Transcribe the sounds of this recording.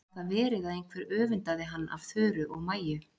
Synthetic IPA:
θaðvɛːɾɪðaðejŋkʰvɛɾœːvʏnt̪aðɪɦanːa̰v̥θœːɾʏʔɔɣmaːjʏ

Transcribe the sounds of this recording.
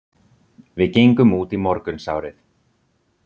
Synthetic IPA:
vɪðcejŋkʏmuːt̪imɔɾkʏnsa̰ːwɾɪθ

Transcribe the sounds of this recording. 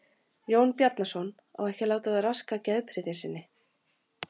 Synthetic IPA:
joːwnpjaɾt̪nasɔn | ɔ̰ɣɛhcɪlaːwt̪aðaraskacɛðpʰɾɪðɪnsɪnːɪ

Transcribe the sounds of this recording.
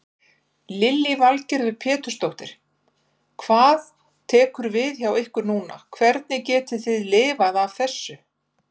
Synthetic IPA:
lɪlːivalcɪɾðɪpʰɛːt̪ʏ̥st̪owht̪ɪɾ̥ | kʰvaːð | t̪ʰɛːkʏɾvɪðçawehkʏɾnuːna̰kʰvɛɾt̪̚nɪcɛːt̪ʏ̥θɪðlɪːvaðav̥θɛsːʏ

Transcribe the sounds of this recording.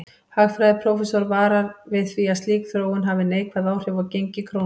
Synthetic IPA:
haɣfɾajðɪpʰɾowfɛsɔɾvaːɾaɾvɪðθviaðst̪liːkθɾoːwɣʏnɦaːvɪneːjkʰvaðaːwr̥jʏvawcejɲcɪkʰɾo

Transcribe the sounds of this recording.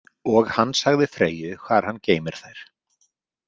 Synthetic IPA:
ɔɣhanːsaɣðɪfɾeːjʏkʰvaːɾ̥hanːceːjmɪɾ̥θajɾ̥

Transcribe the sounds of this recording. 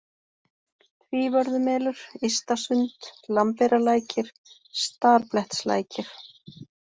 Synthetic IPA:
θʰviːvœɾðʏmɛːlʏɾ̥ist̪asʏnt̪lampɛɾalaːjcɪɾ̥ | st̪aɾplɛht̪sla̰ːjcɪɾ̥

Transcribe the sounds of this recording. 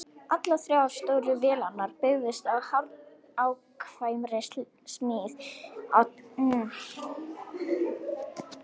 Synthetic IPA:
at̪laθɾjawav̥st̪oːwɾʏvɛːlanːaɾpɪɣðɪst̪aðhaɾ | awkʰvaːjʏmrest̪l | smɪːθaw

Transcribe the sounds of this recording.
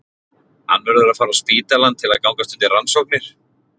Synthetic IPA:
ha̰nːvɛɾðʏɾaðfaːɾaspiːt̪alant̪ʰːɪlaðkaːwŋkast̪ʏnt̪ɪransowk̚nɪɾ̥

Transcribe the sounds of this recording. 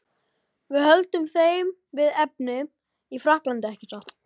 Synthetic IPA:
vɪðhœlt̪ʏmθejm | vɪðɛp̚nɪ | ifɾahklant̪ɪɛhcɪ̥t̪ɔt̪

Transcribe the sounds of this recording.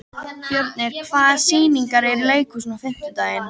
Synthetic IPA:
pjœɾt̪nɛɾkʰvaːðsiːniŋkaɾɛɾleːjkʏsnafɪm̥t̪ɪt̪aːjɪn

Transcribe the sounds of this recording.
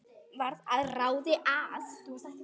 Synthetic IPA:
vaɾðaðrawðɪʔað

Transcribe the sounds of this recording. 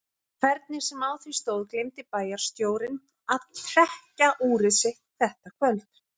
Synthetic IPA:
kʰv̥ɛɾt̪̚nɪɾ̥sɛmaːwθvist̪oːwðklejmt̪ɪpaːjaɾ̥st̪joːwɾɪn | aðt̪ʰɾ̥ɛhcaʔuːɾɪsɪht̪θɛht̪akʰvœlt̪

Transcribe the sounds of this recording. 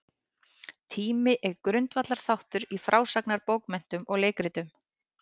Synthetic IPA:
t̪ʰiːmɪʔɛɾkɾʏnt̪vat̪laɾ̥θawht̪ʏɾifɾʔaːwsaknaɾpoːwkmɛn̥t̪ʏmɔɣleːjkɾɪt̪ʏm

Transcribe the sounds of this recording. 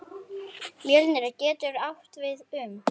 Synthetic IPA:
mjɛlɪnːɪɾacɛːt̪ʏɾaht̪vɪðʏm

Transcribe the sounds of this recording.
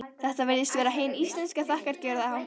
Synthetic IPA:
θɛht̪avɛɾðɪst̪vɛːɾaɦeːjnist̪lɛnskaθahkaɾcɛɾðahaw

